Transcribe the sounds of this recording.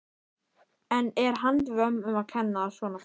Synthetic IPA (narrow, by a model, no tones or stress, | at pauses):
ɛnɛɾ̥ɦant̪vœmʏmaðkʰɛnːasvɔːna